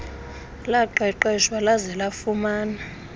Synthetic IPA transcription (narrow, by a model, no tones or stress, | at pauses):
laǃɛǃɛʃwalazɛlafumaːna